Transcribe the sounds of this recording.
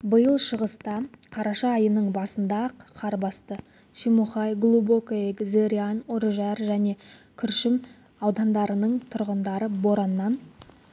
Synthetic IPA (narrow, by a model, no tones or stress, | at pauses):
bəjəlˠʃəʁəst̪ɑqʰɑɾɑʃɑːjənəɴbɑsənd̪ɑqqʰɑɾbɑst̪ə | ʃimuχɑjɡlˠubokekzeɾʲianoɾʒɑɾʒæne̞kʲʰʏɾʃɪm | ɑwd̪ɑnd̪ɑɾənəɴt̪ʰʊɾʁənd̪ɑɾəbo̞ɾɑnːɑn